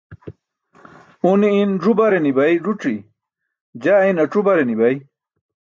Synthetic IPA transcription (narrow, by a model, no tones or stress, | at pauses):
uniːnʐubaɾenibɐjʐuʈ͡ʂi | d͡ʑainɐʈ͡ʂubɐɾenibɐj